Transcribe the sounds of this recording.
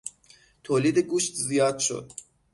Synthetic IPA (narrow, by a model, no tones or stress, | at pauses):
t̪ʰoːliːd̪eɡuːʃt̪ʰzijɒːd̪̥ʃo̞̰d̪̥